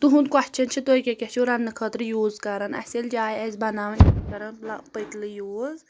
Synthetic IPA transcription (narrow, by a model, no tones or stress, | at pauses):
t̪uɦund̪kɐht͡ʃʰɐnt͡ʃʰit̪ojkʲekʲet͡ʃʰuɾɐnːɨkʰət̪ɾɨjoːzkɐɾɐnɐ̰sʲeld͡ʒaːjɐzʲbɐnaːʋɐnkɐɾɐnlɐpəjt̪lɨjoːz